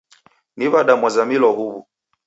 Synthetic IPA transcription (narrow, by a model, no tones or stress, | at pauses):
niβaɗamwazamilɔhuβṵ